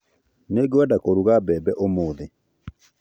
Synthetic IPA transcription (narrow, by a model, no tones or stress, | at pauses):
neɡewadakoɾuɣabɛbɛʔomoːðɪ